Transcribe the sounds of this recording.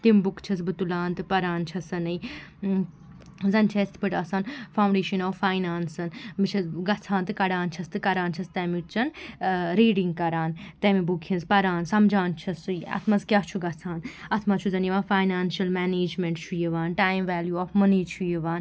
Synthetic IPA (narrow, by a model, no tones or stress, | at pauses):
t̪imbukt͡ʃʰɐsbɨt̪ulaːnt̪ɨpɐɾaːnt͡ʃʰɐsɐnɐj | zɐnt͡ʃʰɐst̪ʰpɨʈɐsɐnfaːwɳɖeːʃɐnɔːʋfaːjnaːnsɐnmɨt͡ʃʰɐɡɐt͡sʰaːnt̪ɨkɐɽaːnt͡ʃʰɐst̪ɨkɐɾaːnt͡ʃʰɐst̪ɐmit͡ʃɐnɾiːɖiŋɡ̚kɐɾaːnt̪eːmibukʰĩnzpɐɾaːnsɐmd͡ʒaːnt͡ʃʰɐsɨjɐ̰t̪ʰmɐzkʲaːt͡ʃʰuɡɐt͡sʰaːnɐt̪ʰmɐt͡ʃʰuzɐnjʋaːfaːjnaːnʃɐlmɛːneːd͡ʒmẽɳʈt͡ʃʰujiʋaːnʈaːjmʋɛːljuɔːfmɐniːt͡ʃʰujiʋaːn